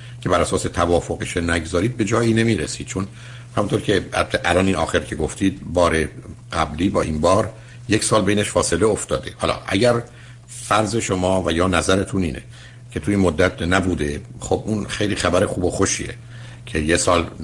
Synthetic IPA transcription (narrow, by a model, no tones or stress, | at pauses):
cʰe̞bæɾæsɒːse̞t̪ʰævɒːfoɣeʃenæɡzɒːɾiːd̪̚be̞d͡ʒɒːjiːne̞miːɾesiːd̪̚t͡ʃʰon | hæmunt̪oːɾcʲʰeæ̰ʔælɒːniːnɒ̰ːxeɾcʰeɡoft̪iːd̪̚bɒːɾeɡæbliːbɒːʔinbɒːɾ | jecʰsɒːlbeiːneʃfɒːse̞le̞oft̪ɒːd̪e̞hɒ̰ːlɒ̰ːʔæ̰ɟæɾ | fæɾze̞ʃomɒːvæjɒːnæzæɾet̪ʰuniːnʔe | cʰe̞t̪ʰuinmod̪ːæt̪næbuːd̪e̞xobʔunxe̞jliːxæbæɾexuːbo̞xo̞ʃḭːḛ | cʰe̞jesɒːl